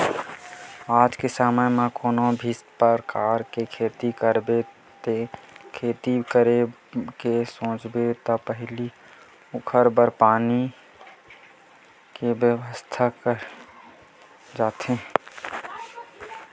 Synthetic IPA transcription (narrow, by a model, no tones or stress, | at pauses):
aːd͡ʒkesaːməjmãkoːnobʱispəɾkaːɾkekʰeːt̪ikəɾbe | t̪ekʰeːt̪ikəɾe | kesõːt͡ʃbet̪ɔpəɦli | ʊkʰəɾbəɾpaːni | kebjəwəst̪ʰakəɾ | d͡ʒaːt̪ẽ